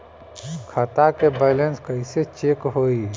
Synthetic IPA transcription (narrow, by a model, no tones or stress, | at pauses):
kʰat̪akebɛlenskəɪset͡ʃekɦoi